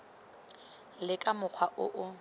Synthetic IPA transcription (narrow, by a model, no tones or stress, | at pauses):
lɪkʼamʊk͡xʰwaʔʊ̰ʔʊ